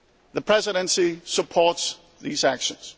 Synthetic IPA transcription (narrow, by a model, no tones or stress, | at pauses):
ðəpʰɹ̥ɛzɪɾə̃nsisəpʰɔɹts | ðizækʃə̃nz̥